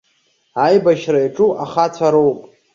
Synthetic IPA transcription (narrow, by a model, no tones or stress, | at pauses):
ajbaʃraiʈ͡ʂʼuʔaχat͡sʷʰaɾo̞wpʼ